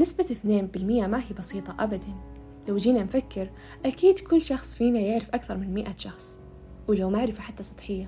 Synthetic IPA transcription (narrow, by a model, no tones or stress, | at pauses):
nɪsbaθneːmbɪlmɪjʔamaɦiːbɑsiːt̪ˤɑʔabad̪an | lawd͡ʒiːnanfakːɪɾ | ʔakiːd̪kʊlːʃɑxsˤfiːnajɪʕɾɪfʔakθɑɾˤmɪnmɪʔaʃɑxsˤ | wɪlawmaʕɾɪfaħat̪ːasˤɑ̥t̪ˤħɪjːa